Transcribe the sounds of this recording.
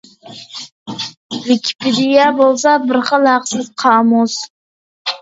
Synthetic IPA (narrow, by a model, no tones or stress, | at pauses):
vɪkʲʰɪ̥pʰɪd̪ɪjɑbolˠs̬ɑbɪɾχəlˠhæqsɪzqʰɑːmus